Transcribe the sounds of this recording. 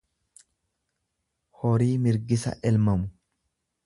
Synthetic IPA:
hɔɾiːmɪɾɡɪsɐ̰ʔɛlmɐmʊ

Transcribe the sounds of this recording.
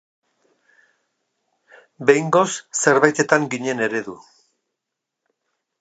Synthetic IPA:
be̞jŋɡo̞sse̞ɾβajt̪e̞t̪aŋɡiɲe̞ne̞ɾe̞ðu

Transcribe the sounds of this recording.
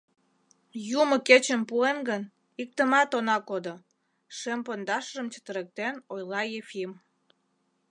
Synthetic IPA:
jumə̆ket͡ɕəmpuenɡən | ik̚t̪əmɑt̪onɑkod̪o | ʃempond̪ɑʃəʒəmt͡ɕə̥t̪əɾek̚t̪enojlɑjefʲim

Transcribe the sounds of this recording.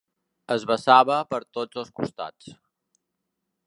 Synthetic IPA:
əzβəsaβəpəɾt̪od͡zəlˠskṵst̪a̰t͡s

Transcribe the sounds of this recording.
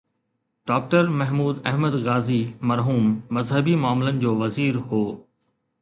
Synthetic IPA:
ɖ̥ɔːk̚ʈəɾmɐɦmuːd̪ɛɦməd̪ɣaːzimɐɾɦuːmːɐzɦəbimʊaːmɪlənɪ̆d͡ʑoːʋɐziːɾɦoː

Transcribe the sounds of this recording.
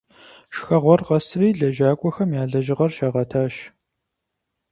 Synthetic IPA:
ʃxɐʁʷɔrʁɐsriːɮɐʒaːkʷʼɔxɐmjaːɮɐʒɪʁɐrʃaːʁɐtʰaːʃ

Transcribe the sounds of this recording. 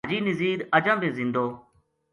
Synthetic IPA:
d͡ʒiːnɪziːɾəd͡ʒãːbẽːzɪ̃nd̪oː

